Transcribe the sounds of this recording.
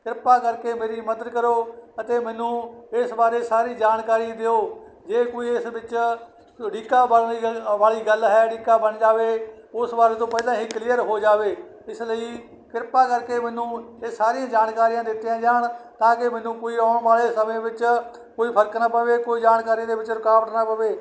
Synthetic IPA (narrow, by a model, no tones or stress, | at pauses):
kɪɾpaːkəɾkeːmeːɾiːməd̪əd̪kəɾoːət̪eːmɛ̃ːnũːɪsbaːɾeːsaːɾiːd͡ʒaːnkaːɾiãd̪eoː | d͡ʒeːkoːiːɪsʋɪt͡ʃ | ɽiːkaːbəniʋaːɭiːɡəlɦɛːɽiːkaːbəɳd͡ʒaːʋeː | ʊsbaːɾeːt̪õːpɛ̃ɪd̪ãːɦiːklɪjəɾɦoːd͡ʒaːʋeː | ɪsləiː | kɪɾpaːkəɾkeːmɛ̃ːnũːesaːɾijãːd͡ʒaːnkaːɾijãːd̪ɪt̪ːɪãːd͡ʒaːɳt̪ãːkɪmɛ̃ːnũːkoːiːaːʊɳʋaːɭeːsəmẽːbɪt͡ʃ | koːiːpʰəɾəknaːpəʋeːkoːiːd͡ʒaːnkaːɾid̪eːʋɪt͡ʃɾʊkaːʋəʈnaːpəʋeː